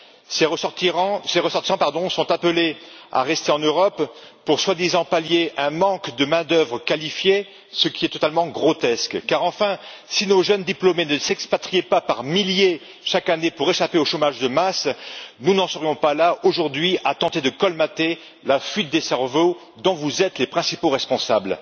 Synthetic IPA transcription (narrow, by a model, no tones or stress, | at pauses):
sẽ | seʁəsɔʁt̪isɑ̃paʁd̪ɔ̃sɔ̃t̪aplea̰ʁɛst̪eɑ̃nøʁɔpː | uʁswad̪izɑ̃paljeʔɛ̃mɑ̃kd̪əmɛ̃d̪œvʁəkalifje | səkʲiɛt̪ɔt̪almɑ̃ɡʁɔt̪ɛskkaʁɑ̃fɛ̃ | sinoʒənd̪iplomenəsɛkspat̪χijepapaʁmilje | ʃakanepuʁeʃapeoʃomaʒd̪əmasnunɑ̃səʁjɔ̃palaʔoʒuʁd̪ɥiʔat̪ɑ̃t̪ed̪əkɔlmat̪e | lafɥit̪̚d̪esɛʁvo | d̪ɔ̃vuzɛt̪lepχɛ̃sipoʁɛspɔ̃sabl